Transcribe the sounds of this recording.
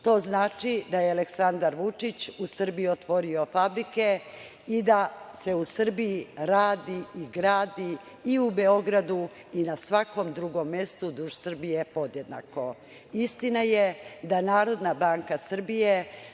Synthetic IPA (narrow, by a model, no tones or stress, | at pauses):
t̪o̞ːznaːt͡ʃid̪ajealeksand̪aɾʋut͡ʂit͡ɕusr̩bijiot̪ʋo̞ɾio̞fabɾike | id̪ase̞usr̩bijiɾaːd̪iiɡɾaːd̪iː | ubeo̞ɡɾad̪u | inasʋako̞md̪ɾuɡo̞mːje̞st̪ud̪uʒsr̩bijepo̞d̪je̞d̪na̰ko̞ | ist̪inajed̪anaːɾo̞d̪nabaːŋkasr̩bije